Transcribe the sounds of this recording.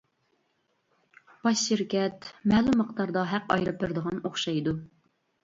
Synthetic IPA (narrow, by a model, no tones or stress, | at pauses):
b̥ɑʃʃiɾkʲɛt̪mɛːlˠumːəχt̪ɑɾd̪ɑɦɛqɑjɾɨpʰɪɾd̪əʁɑnoχʃɑjd̪u